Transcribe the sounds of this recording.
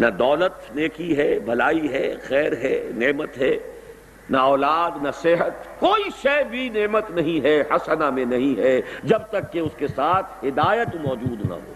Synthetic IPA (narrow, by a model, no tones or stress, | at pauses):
nɐd̪ɔːlət̪neːkiɦɛbʱɐlaːiɦɛxɛːɾɦɛneːmət̪ɦɛː | naɔːlaːd̪nɐsɪɦət̪koːiʃɐbʱineːmət̪nɐɦĩɦɛhɐsənamẽnɐɦĩɦɛd͡ʒɐb̚t̪ɐkːeʊskesaːt̪ʰɦɪd̪aːjət̪mɔːd͡ʒuːd̪nɐ̰ɦo̰ː